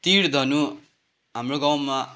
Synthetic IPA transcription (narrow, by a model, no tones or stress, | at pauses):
t̪iɽd̪ʱʌnu | ɦamroɡaw̃ma